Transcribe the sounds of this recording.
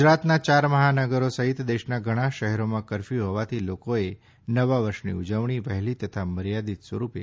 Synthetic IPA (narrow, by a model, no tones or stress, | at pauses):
d͡ʒɾat̪nat͡ʃaɾməɦanəɡəɾosəɦɪt̪d̪eʃnaɡʱəɽ̃aʃəɦɛɾomãkəɾfiɦɔʋat̪ʰilokoe | nəʋaʋəɾʃnḭud͡ʒəʋɳ̃iʋəɦɛlit̪ət̪ʰaməɾjad̪it̪sʋəɾupḛ